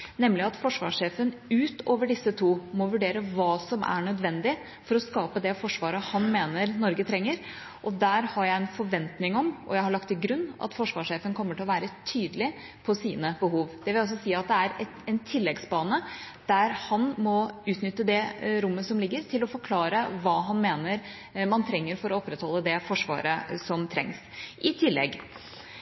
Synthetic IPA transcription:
nɛmlɪɑt̪fɔʂʋɑ̰ʂeːfənʉːt̪oːʋəɖɪsət̪ʰuːmɔʋʉɖeːɾəʋɑːsɔmʔæ̰ɳœd̪ʋɛnd̪ɪ | fɔɾɔskɑːpəd̪ɛfɔʂʋɑːɾəhɑnmeːnəɾnɔɾɡət̪ʰɾɛŋːəɾ | ʔɔd̪æɾhɑɾjæɪɛnfɔɾʋɛnt̪nɪŋɔmʔɔ̰jæɪhɑɭɑkt̪ːɪɡɾʉnːʔɑ̰t̪fɔʂʋɑːʂeːfənkʰɔmːəʈʰɪlɔʋæːɾət̪ʰyːd̪əlɪ | pʰɔsiːnəbəɦuːʋd̪̥ɛʋɪlɔs̬ːɔsiːɑt̪̚d̪ɛæɾɛt̪ɛnt̪ʰɪlːɛɡsbɑːnə | d̪̥æɾhɑnmɔʉːt̪nʏt̪ːəd̪ɛɾʊmːəsɔmlɪɡːəɾt̪ʰɪlɔfɔɾkʰlɑːɾəʋɑːɦɑnmeːnəɾ | mɑnt̪ʰɾɛŋːəɾfɔɾɔɔpːɾɛt̪hɔlːəd̪ɛfɔʂʋɑ̰ːɾəsɔmt̪ʰɾɛ̰ŋs | ʔɪt̪ʰɪlːɛ̰ɡ

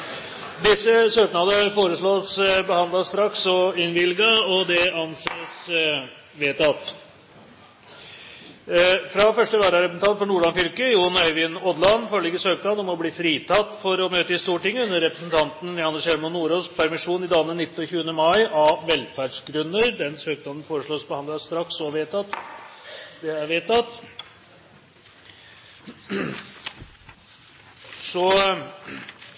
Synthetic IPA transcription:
d̪ɪsːəsøːknɑd̪əfoːɾəʂɭoːsbəhɑnd̪lɑst̪ɾɑksɔɪnʋɪlɡɑɔd̪ɛɑnseːs | ʋeːt̪ɑt̪ | fɾɑfœʂʈəʋæːɖɑɾɛpəsn̩t̪ʰɑnt̪fɔɳuːɭɑnfʏlkəjuːnœɪʋɪnɔd̪lɑnfɔlɪɡəsøːknɑd̪ɔmɔbliːfɾiːt̪ʰɑt̪ːfɔɾɔmøːt̪əɪst̪uːʈɪŋːəʉnːəɾɾɛpɾəsnt̪ʰɑnt̪n̩ɪɑnːəʂɛlmɔnːuːɾospʰæɾmɪʂuːnɪd̪ɑːlənɪt̪ːn̩ɔçʉːənəmɑɪʔɑʋɛlfæɖʂɡɾʉnːəɾd̪ɛnsøːk̚d̪ɔnn̩foːɾəʂɭoːsbəhɑnd̪ɑst̪ɾɑksɔʋeːt̪ɑt̪ | d̪ɛæʋeːt̪ːɑt̪ | sɔ

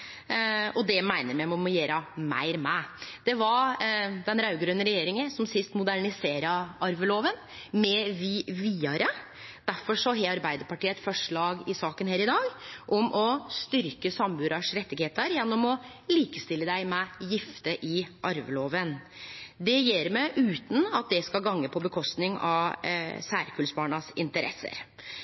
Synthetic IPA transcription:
ɔd̪ɛmæɪnəɾmæɪmɛɔmɔjeːɾəmæ̰ɪɾmɛd̪̥ɛʋɑɾd̪ɛnɾɑʉɡɾøːnːəɾɛjeːɾɪŋəsɔmsɪst̪mʊd̪æɳɪseːɾəɑɾʋəloːʋən | mɛʋɪʋiːɑɾə | d̪̥æɾfɔʂɔɦeɑɾbæɪd̪əɾpɑʈiːəɛt̪fɔʂɭɑːɡɪsɑːkənheːɾɪd̪ɑːɡʔɔmʔɔst̪ʏɾkəsɑmbʉːd̪ɑʂɾɛt̪ːɪɡheːt̪əɾjɛnːɔmɔ | liːkəst̪ɪlːəd̪æɪmɛjɪft̪əʔɪʔɑɾʋəloːʋən | d̪ɛjɛːɾmɛʔʉːt̪n̩ɑt̪̚d̪ɛskɑɡɑŋːəpʰɔbəkʰɔst̪nɪŋɑ | sæːɾkʰʉlsbɑːɳɑsɪnt̪əɾʔɛ̰sːə̰ɾ

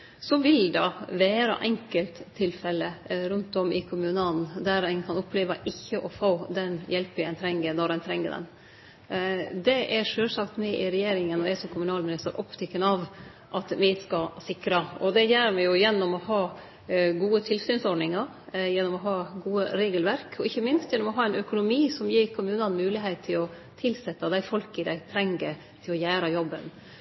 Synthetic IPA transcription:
sɔʋɪld̪ɑʋæːɾɑ̰ʔɛŋkəlt̪ʰːɪlfɛlːəɾʉnt̪ɔmɪkʰʊmʉnɑlnd̪æɾæɪnkʰɑnɔpːleːʋɑʔɪçːəʔɔfoːd̪ɛnjɛlpɪɛɪnt̪ʰɾɛŋːəɾnɔɾɛnt̪ʰɾɛŋːə̰d̪ɛ̰n | d̪ɛʔɛɾʂøːlsɑkt̪mɛʔɪɾɛjeːɾɪŋənɔɛsɔmkʰʊmʉnɑːlmɪnɪst̪əɾʔɔpt̪ʰɪkːənɑʋ | ʔɑt̪mɪɪskɑsɪkɾɑɔd̪ɛjæːɾmɛjʊjɛnːɔmɔhɑː | ɡuːət̪ʰɪlsyːnsɔɾɖɳɪŋɑɾ | jɛnːɔmɔɦɑːɡuːəɾeːɡəlʋæɾkʰɔɪçːəmɪnst̪jɛnːɔmɔɦɑːɛɪnœkʊnʊmiːsɔmjiːɾkʰʊmʉːnɑnmʉːlɪɦeɪt̪ʰːɪlɔ | t̪ʰɪlsɛt̪ːəd̪æɪfɔlkɪd̪æɪt̪ʰɾɛŋɡə | t̪ʰɪlɔjæːɾɑjɔbːən

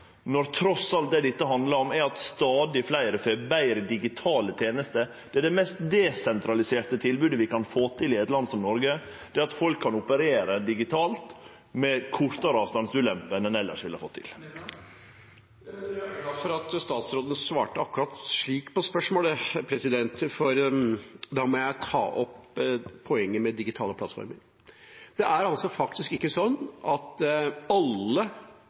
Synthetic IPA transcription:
nɔɾt̪ʰɾɔsɑlt̪̚d̪ɛd̪ɛɪt̪ːəɦɑnd̪ləɾɔmæɾɑt̪st̪ɑːd̪ɪflæɪɾəfeːbæɪɾəd̪ɪɡɪt̪ʰɑːlət̪ʰjeːnəst̪ə | d̪̥ɛæɖɛmɛst̪d̪ɛsɛnt̪ɾɑlɪseːɾʈ̪ət̪ʰɪlbʉːd̪əʋɪkʰɑnfoːt̪ʰɪlɪɛt̪lɑnd̪sɔmnɔɾɡə | d̪̥ɛːɾɑt̪fɔlkʰːɑnʊpəɾeːɾəd̪ɪɡɪt̪ʰɑːlt̪ | mɛkʰʊɾt̪ɑɾɑːʋst̪ɑnsʉːlɛmpənɛnɛlːə̰ʂʋɪlhɑfɔ̰t̪ʰːɪ̰l | ɑfɔɾɑt̪st̪ɑːt̪sɾoːd̪ənəsʋɑ̰ːʈəɑkːʉɾɑt̪ʂɭiːkpʰɔspœʂmoːləpʰɾɛsɪd̪ɛnt̪fɔɾ | d̪ɑmɔjæɪt̪ʰɑ̰ːʔɔppʰːɔɛŋːəmɛd̪ɪɡɪt̪ʰɑːləpʰlɑ̰t̪fɔ̰ɾmə̰ɾ | d̪̥ɛʔæɾɑlsɔfɑk̚t̪ɪskɪkːəsɔnːʔɑt̪ɑlːə

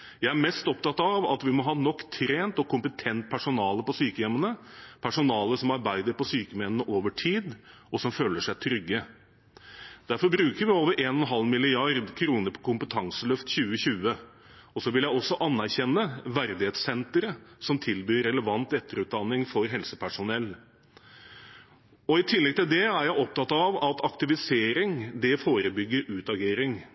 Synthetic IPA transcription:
jæɪæɾmɛst̪ɔpt̪ɑt̪ɑʋɑ̰t̪ʋɪmɔɦɑːnɔkːt̪ʰɾeːnt̪ɔkʰʊmpət̪ʰɛnt̪̚pʰæʂʊnɑːləpɔsyːkəjɛmənəpʰæʂʊnɑːləʂɔmɑɾbæɪd̪əɾpɔsyːkəmɛnənəʔoːʋəʈʰiːd̪ | ɔsɔmføːləʂæɪt̪ʰɾʏɡːə | d̪̥æɾfɔɾbɾʉːkəɾʋɪoːʋəɾʔeːnɔnɦɑlmɪlɪɑɾd̪kʰɾuːnəɾpʰɔ̥kʰʊmpət̪ʰɑŋsəlœft̪çʉːəɕʉːə | ɔsɔʋɪljæɪɔsːɔʔɑnːæɾçɛnːəʋæɾd̪ɪheːt̪sɛnt̪əɾəsɔmt̪ʰɪlbyːɾɛləʋɑnt̪ɛt̪ːəɾʉːt̪̚d̪ɑnːɪŋfɔɾɦɛlsəpʰæʂʊnɛlː | ɔɪt̪ʰɪlːɛɡ̚t̪ɪld̪ɛæɾjæɪʔɔp̚t̪ʰɑt̪ɑʋɑt̪ɑkt̪ɪʋɪseːɾɪŋd̪ɛfoːɾəbʏɡːəɾʉːt̪ɑɡeːɾɪŋ

